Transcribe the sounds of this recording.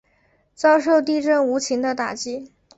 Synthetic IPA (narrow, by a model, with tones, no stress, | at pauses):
t͡sɑ˥ʊʂo˥˧ʊt̪i˥˧ʈ͡ʂə˥˩ŋu˧˥t͡ɕʰi˧˥ŋd̪ə˧t̪a˨˩t͡ɕi˥